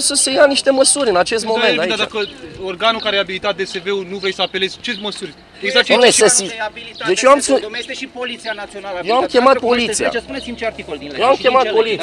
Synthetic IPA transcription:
səse̞janiʃt̪e̞məsuɾʲɨnat͡ʃe̞s̬t̪mo̞menaiad̪akəorɡanukaɾeabilit̪at̪̚d̪ese̞ve̞unuvɾejsəapele̞z̥ʲt͡ʃe̞məsurʲ | eɡzaomnessəsid̪e̞t͡ʃjewamsuilisinaionajewwamkʲe̞mat̪̚po̞lit̪sija̰snit̪ikoljewamkʲe̞mat̪̚po̞li

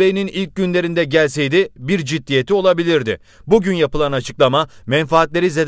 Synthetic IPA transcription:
ejininilʲc̚ɟynlʲe̞ɾind̪ɛɟælʲse̞jd̪ibiɾd͡ʒid̪ːije̞t̪ʰio̞lˠabilʲiɾd̪ɪ | buɟynjapɯlˠanat͡ʃʰɯ̥klˠamamɛnfaːt̪lʲe̞ɾized̪

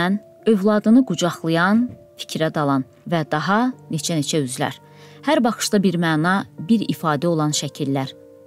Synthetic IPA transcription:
æn | ø̞vlˠɑd̪ɯnɯɡud͡ʒɑχlˠɯjɑn | fi̥cʰɾæd̪ɑlˠɑn | væd̪ɑɦɑne̞t͡ʃʰæne̞t͡ʃʰæyzlæ̰ɾ | hæɾbɑχɯ̥ʃd̪ɑbiɾmæːnɑbiɾḭfɑːd̪æo̞lˠɑnʃæcʰilːæɾ

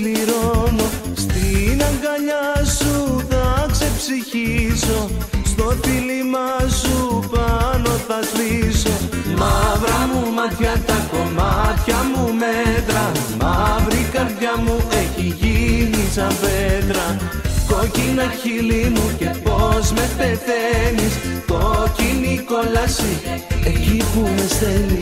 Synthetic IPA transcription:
liɾo̞no̞ | st̪inɐŋɡɐʎɐsuθɐkse̞psiçiso̞st̪o̞filimɐsupɐno̞θɐzpiso̞mɐvɾɐmumɐt̪çɐt̪ɐko̞mɐt̪çɐmumet̪ɾɐmɐvɾikɐɾðʝɐmuʔeçiʝinisɐmpet̪ɾɐ | ko̞cinɐçilimuce̞po̞zme̞t̪eθeniskociniko̞lɐsiecipume̞st̪eni

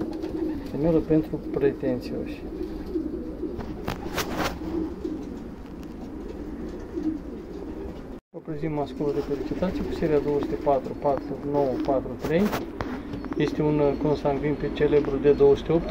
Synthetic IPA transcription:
t̪emeɾəpe̞nt̪ɾupɾe̞t̪e̞nt̪sio̰ʃʲ | vəpɾezimmaskulud̪e̞fe̞lit͡ʃit̪at̪sijekuse̞ɾiad̪o̞wosu̥t̪ʲepat̪ɾupat̪ɾuno̞wəpat̪ɾut̪ɾe̞j | je̞st̪eunko̞nst̪anɡ̪vinpet͡ʃe̞le̞bɾud̪e̞d̪o̞wəsɨ̥t̪eo̞pt̪

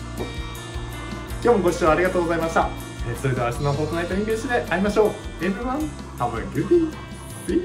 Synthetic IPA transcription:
kʲoːmo̞ɡo̞ɕɨːβaːɾʲiɡat̪oːɡo̞zaimaɕt̪a | esoɾed̪e̞aɕinaɦot̪onait̪oɲʲĩŋkẽɕid̪e̞ʔaɾʲimaɕo̞ːenɯβãn | t̪ʰabɯ̰̃ŋɡʲɯpʲi | bi

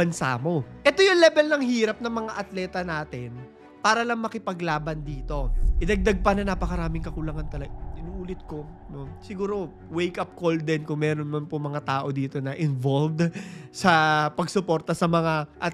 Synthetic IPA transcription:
bɐnsa̰mo̞ʔɛt̪o̞jʊŋlɛbɛlnɐŋhiːɾɐp̚nɐŋmɐŋaʔɐt̪lɛːt̪ɐnaːt̪ɪn | paːɾɐlɐŋmɐkɪpɐɡlaːbɐnd̪iːt̪o̞ʔɪd̪ɐɡ̚d̪aɡ̚pɐnɐnapɐkɐɾaːmɪŋkɐkʊlaŋɐnt̪ɐlɐɡɪnuːʔuːlɪt̪̚ko̞ | no̞sɪɡuːɾo̞ | wejkɐp̚ko̞ld̪ɛnkʊŋmɛːɾonmɐnpoŋmɐŋat̪aːʔo̞d̪iːt̪o̞nɐʔɪnvolvd̪sɐpɐɡsʊpo̞ːɾt̪ɐsɐmɐŋaʔɐ

